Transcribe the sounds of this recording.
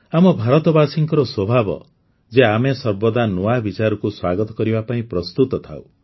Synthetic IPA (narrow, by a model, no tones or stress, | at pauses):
amɔbʱaɾɔt̪ɔbasiŋkɔɾɔswɔbʱabɔ̰ | d͡ʒeamesɔɾbɔd̪anoabit͡ʃaɾɔkuswaɡɔt̪ɔ̥kɔɾibapaĩpɾɔst̪ut̪ɔt̪ʰa̰w̰